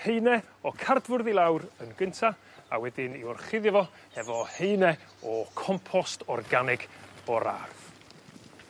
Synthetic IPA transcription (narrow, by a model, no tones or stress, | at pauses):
hejnɛ | ɔkʰardvʊrðilˠawɾənɡəntʰa | awɛdɪniɔrχɪðjavɔ | hɛvɔheɨnɛ | ɔkʰɔmpʰɔstɔrɡanɪɡ̥ɔɾa̰rð